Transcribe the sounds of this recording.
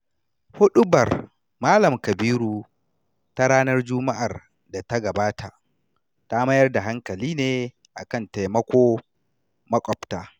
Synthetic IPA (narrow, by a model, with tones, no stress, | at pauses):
hʊ˦ɗʊ˦bɐ˨r | maː˦lɐ˨mkɐ˨biː˦ɾuː˨ | ta˦ɽaː˦nɐ˦rd͡ʒʊ˦ma˦ʔa˨r | da˨ta˦ɡɐ˨baː˦ta˨ʔ | ta˦mɐ˦jɐ˦rda˨ɦa˦ŋkɐ˨liː˦neː˦ | ʔa̰˨kɐ˦˨nta˨jmɐ˦kʷoː˦ | mɐ˦kʷʼɔ˨btaː˦